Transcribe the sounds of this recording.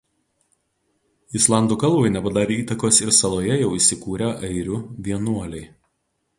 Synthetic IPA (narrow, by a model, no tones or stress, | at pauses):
ɪslˠɑˑnd̪uːkɐlˠbɐɪnʲɛpɐd̪ɑːɾʲeiːt̪ɐkoːsɪɾsɐlˠoːjɛjɛʊisʲɪkuːɾʲɛʔɐɪɾʲʊʋʲiɛnuɔlʲɛɪ